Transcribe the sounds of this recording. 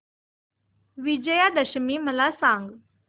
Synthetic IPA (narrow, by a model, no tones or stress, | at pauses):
ʋid͡ʑəjad̪əʃəmiːməlasãŋɡ